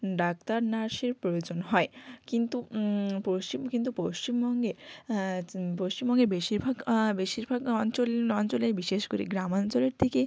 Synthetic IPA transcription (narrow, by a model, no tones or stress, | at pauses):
ɖak̚t̪aɾnaɾʃeɾpɾojod͡ʑonɦɔekint̪upoʃt͡ɕimkint̪upoʃt͡ɕimbɔŋɡe | poʃt͡ɕimbɔŋɡebeʃiɾbʱaɡbeʃiɾbʱaɡɔnt͡ɕolɔnt͡ɕolebiʃeʃkoɾḭɡɾamant͡ɕoleɾt̪ʰeke